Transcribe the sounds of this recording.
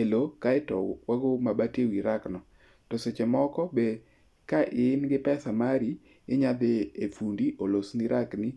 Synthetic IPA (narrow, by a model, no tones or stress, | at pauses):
elokaɪtɔ̰waɡomabatewiɾaknɔ | toset͡ʃemɔkɔbe | kaʔɪɪnɡɪpɛsamaɾi | ɪɲad̪ɪefundiʔolosniɾʔakni